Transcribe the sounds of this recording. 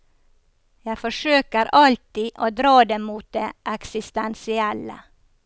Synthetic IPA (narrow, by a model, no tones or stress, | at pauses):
jæɪfɔʃøːkəɾɑlt̪iːʔoːd̪ɾɑːd̪eːmuːt̪̚d̪eːʔɛksɪst̪ɛnsɪɛlə̰